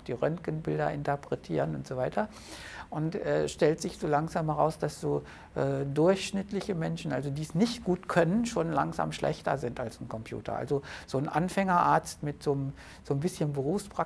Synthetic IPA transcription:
xd̥iːʁœnkənbɪldɐʔɪntɐpʁ̥ɛtʰḭːʁənʊntz̥oːvaɪtʰɐ | ʔʊntɛːʃtɛltz̥ɪçz̥oːlaŋzaːmhɛʁaʊsd̥asz̥oː | ʔɛːdʊɐçʃnɪtlɪçəmɛnʃn̩ʔalzodiːsnɪçtɡ̥uːtkʰœnənʃoːnla̰ŋza̰ːmʃlʔɛ̰çtɐ̰zɪntalsn̩kʰɔmpʰj̥ṵːtɐ̰ʔa̰lzoz̥oːnʔanfɛŋɐʔaɐt͡stmɪtz̥oːm | z̥oːnbɪsçənbəʁuːfspʁ̥a

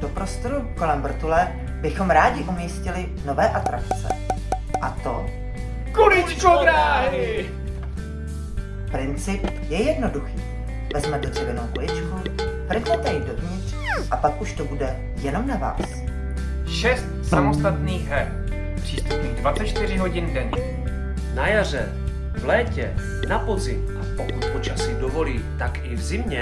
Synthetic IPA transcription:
d̥opɾo̞st̪oɾuko̞lɛmvr̩t̪ulɛ | bɪxo̞mɾaːɟɪʔumɪscɪlɪ | no̞vɛːʔat̪ɾakt͡sɛ̰ | ʔat̪o̞ | kolɪt͡ʃkod̪ɾaːɦɪ | pɾɪnt͡sɪp | jɛjɛdno̞duxiː | vɛzmɛt̪ɛr̥ivɛnowʔulɪt͡ʃkupɾɛxmɛt̪ɛɪdovɲɪt̪r̥ | ʔapakʔuʃt̪obudɛ | jɛno̞mnava̰ːs | ʃɛst̪samost̪at̪niːɣɦɛ | pr̥iːst̪upniːɣdvat͡sɛt͡ʃt̪ɪrɪɦo̞ɟɪndɛɲɪ | najar̝ɛ | vlɛːcɛ | napozɪ | ʔapokut̪̚po̞t͡ʃasɪdovo̞liːt̪akʔɪvzɪmɲɛ

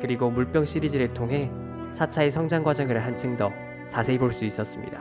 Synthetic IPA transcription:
kɯɾiɡomuɭp͈jʌŋɕ͈iɾid͡ʑiɾɯɭtʰoŋɦe̞ | t͡ɕʰat͡ɕʰaesʰʌŋd͡ʑaŋɡwad͡ʑʌŋɯɭɯɦant͡ɕʰɯŋdʌ | t͡ɕasʰe̞iboɭs͈uis͈ʌs͈ɯmɲḭda

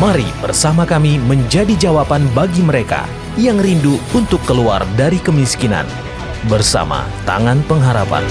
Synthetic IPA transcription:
maɾḭbərsamakamiməɲd͡ʒadid͡ʒawapanbaɡiməɾeka̰ | jaŋrinduunt̪ʊkːəlua̰rdaɾikəmiskina̰n | bərsa̰ma̰ | t̪a̰ŋanpəŋɦaɾapa̰n

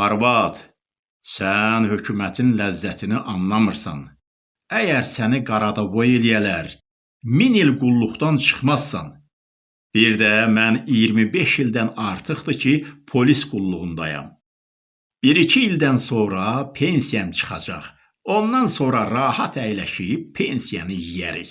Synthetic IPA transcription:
ɑɾbɑd̪̥ | sænhø̞cʰumæt̪ʰinlæzːæt̪ʰiniʔɑnːɑmɯɾsɑ̰n | æjæɾsæniɡɑɾɑd̪ɑbo̞je̞lijælæɾ | minilɡulˠːuχt̪ɑnt͡ʃʰɯ̥χmɑz̥ːɑ̰n | b̥iɾd̪æmænijiɾmibe̞ʃild̪ænɑɾt̪ʰɯχd̪ɯcʰipʰo̞lisɡ̥ulˠːuʁund̪ɑjɑ̰m | b̥iɾicʰiːld̪ænso̞ɾɑpʰe̞nsijɑmt͡ʃʰɯ̥χɑ̰d͡ʒɑ̰χ | o̞nd̪ɑnso̞ɾɑɾɑːhɑt̪ʰæjlæʃijip̚pʰːe̞nsijɑnɯjijæɾḭç

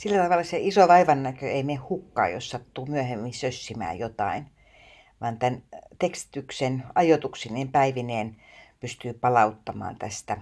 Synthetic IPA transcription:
silːæt̪ɑʋɑlːˑɑseisoʋɑiʋɑnːækøeimeːhhukːɑ̰ːjo̰ssɑt̪ːuːmyæhemːinsøsːimæ̰ːjjot̪ɑ̰in | ʋɑnt̪ænt̪ekst̪i̥t̪yksenɑjot̪uksineːmpæiʋineːn | pyst̪yːpɑlɑut̪ːɑmɑ̰ːnt̪æst̪æ

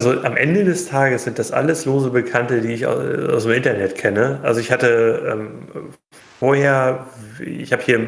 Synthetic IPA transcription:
zoʔamʔɛndədɛstʰaːɡəsz̥ɪnt̚d̥asʔa̰ləsloːzəbəkʰantədiːɪça̰ʊa̰ʊsdemʔɪntɐnɛtkʰɛnəʔalzoɪçhatəʔɛ̰ːm | foːɐheːɐ | ɪçhaːbəhiːɐm

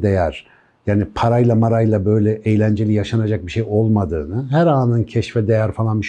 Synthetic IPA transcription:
d̪ejæɾ̥ | jaːnipʰaɾajlˠamaɾajlˠabø̞jlʲɛʔejlʲænd͡ʒelʲijaʃanad͡ʒak̚biʃejo̞lˠmad̪ɯ̰ːnɯɦæɾaːnɯncʰɛʃfɛd̪ejæɾfalˠanbiʃ

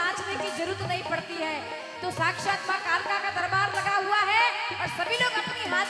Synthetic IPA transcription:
ãːt͡ʃmẽkid͡ʒɐɾuɾət̪nɐɦĩpɐɽt̪iɦɛː | t̪osaːkʃaːt̪makaːlkakad̪ɐɾbaːɾlɐɡaɦuaɦɛɔːɾsɐbʱiloːɡɐpniãː

